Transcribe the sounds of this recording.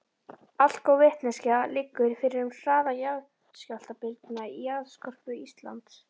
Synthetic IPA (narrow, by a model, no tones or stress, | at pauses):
al̥kɔwvɛht̪nɛscalɪkːʏɾfɪɾɪɾʏmr̥aːðajaɣ | scawl̥t̪apɪlt̪naiaðskʰɔr̥pʏist̪la̰nt̪s